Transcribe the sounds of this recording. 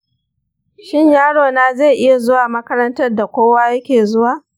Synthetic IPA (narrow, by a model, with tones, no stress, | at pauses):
ʃɪ˦ɲjaː˦ɽoː˨naː˦zeː˦˨ʔɪ˦ja˨zʊ˦waː˨mɐ˦kɐ˦ɾɐ˦ntɐ˦rda˨kʷoː˦waː˦jɐ˦kʲeː˨zʊ˦waː˨